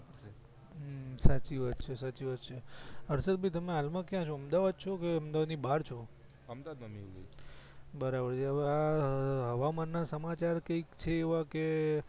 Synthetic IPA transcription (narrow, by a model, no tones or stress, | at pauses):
əɾe | sat͡ʃiʋəd̪̚t͡ʃʰesat͡ʃiʋəd̪t͡ʃʰeəɾsət̪̚bʱit̪əmeɦalmãkjãt͡ʃʰoəmd̪aʋad̪̚t͡ʃʰokeəmd̪aʋad̪nibaɾt͡ʃʰo | əmd̪ad̪mamiɡə̰ | bəɾabəɾt͡ʃʰeəʋeaɦəʋamanːasəmat͡ʃaɾkəikt͡ʃʰeːʋake